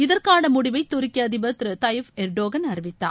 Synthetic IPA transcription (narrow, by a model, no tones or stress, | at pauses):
ɪðɐrkaːnɐmʊɽɪʋɐɪt̪ːʊɾɪkːiɐðɪbɐt̪ːɾɯt̪ɐjfɛɾɖoːɣɐnɐɾɪʋɪt̪ːa̰ː